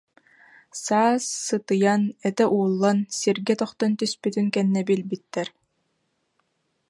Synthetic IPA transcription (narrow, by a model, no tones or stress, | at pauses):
saːsːɯt̪ɯjanɛt̪ɛʔuːlˠːansiɾɡɛt̪ɔχt̪ɔnt̪yspyt̪ynkɛnːɛbilbit̪ːɛɾ